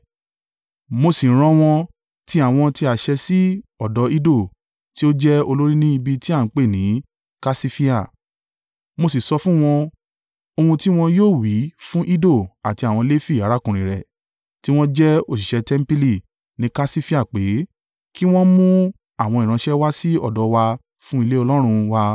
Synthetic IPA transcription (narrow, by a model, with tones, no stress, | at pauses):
mo˧si˨˦ɾ̃ɔ̃˧w̃ɔ̃˧ | ti˦a˦˨w̃ɔ̃˧ti˦a˨ʃɛ˧si˦ɔ˦˨dɔ˨˧˦i˦do˦˨ | ti˦o˦d͡ʒɛ˦o˧lo˦ɾi˦nĩ˦i˧bi˧ti˦a˦˨n̩˨˦k͡pe˦˨nĩ˨˦ | ka˦si˦fi˦a˦˨ | mo˧si˨sɔ˧fũ˦w̃ɔ̃˧ | o˧hũ˧ti˦w̃ɔ̃˧joː˦˨wi˨˦fũ˦ʔi˦do˦˨a˨ti˧a˨w̃ɔ̃˧le˦fi˦˨a˨˦ɾa˨˦kũ˨ɾ̃ĩ˨ɾɛ̰˨ | ti˦w̃ɔ̃˦d͡ʒɛ˦o˦˨si˨ʃɛ˧tɛ˦m̩˦pi˦li˦˨ | nĩ˨˦ka˦si˦fi˦a˦˨k͡pe˨˦ | ki˦w̃ɔ̃˦mũ˦ | a˦˨w̃ɔ̃˧i˨ɾ̃ã˧ʃɛ˦wa˦si˦ɔ̰˦˨dɔ˨˧wa˧ | fũ˦i˧le˦ɔ˧lɔ˦ɾ̃ũ˧wa˧